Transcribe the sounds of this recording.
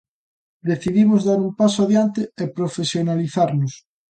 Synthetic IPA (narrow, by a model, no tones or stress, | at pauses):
d̪eθiðimozðaɾumpasoaðjant̪eepɾofesjonaliθaɾnʊs